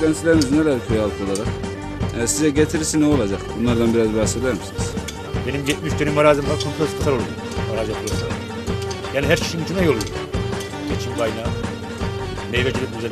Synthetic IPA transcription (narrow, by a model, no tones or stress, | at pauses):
lɛnsilʲeɾimiznelæɾkʰujalˠɯk̪ʰo̞lˠaɾaq | ɛsizɛɟet̪ʰiɾisinɛo̞lˠad͡ʒaqbunlˠaɾd̪anbiɾazbaxse̞d̪æɾmisiniz̥ | be̞nimɟet̪̚miʃd̪ønimːaɾaːzimlˠaɾkʰomp̪lˠet̪t̪asʰaɾo̞lˠaja | aɾaːzjapʰɯlˠasalˠa̰ | jaːniɦæɾcʰi̥ʃinit̪ʰinɛjolˠuo | et͡ʃʰimbajnaː | mejveɟilʲip̚yzɛ